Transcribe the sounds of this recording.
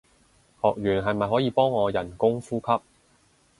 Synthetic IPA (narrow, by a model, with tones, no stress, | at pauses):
hɔː˨k̚jyː˨˩nɦɐ˨jmɐ˨jɦɔː˨˥jiː˨˧pɔː˥ŋːɔː˨˧jɐ˨˩nkʊ˥ŋfuː˥kʰɐ˥p̚